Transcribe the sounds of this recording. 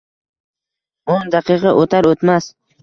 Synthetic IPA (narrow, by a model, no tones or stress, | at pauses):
ond̪aqɨqʰɑʔot̪ʰaɾot̪mas